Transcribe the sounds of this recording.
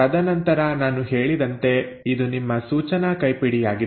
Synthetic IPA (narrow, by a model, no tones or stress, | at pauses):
ɐd̪ɐnɐnt̪ɐɾɐnaːnuɦeːɭid̪ɐnt̪e̞id̪unimːɐsuːt͡ʃɐnɐkɐjpiɽijaːɡi